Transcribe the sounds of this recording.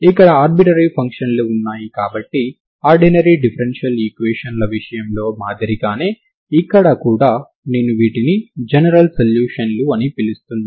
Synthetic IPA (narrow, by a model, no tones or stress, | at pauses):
ikːɐɽɐaːɾbiʈɐɾipʰɐŋkʂɐnluunːaːjikaːbɐʈːi | aːɾɖinɐɾiɖipʰɐɾenʂɐliːkʋeːʂɐnlɐʋiʂɐjɐmlo̞ːmaːd̪ɐɾiɡaːne̞ː | ikːɐɽɐkuːɽaː | neːnːuʋiːʈinid͡ʒɛnɐɾɐlsɐljuːʂɐnluɐnipilist̪unːa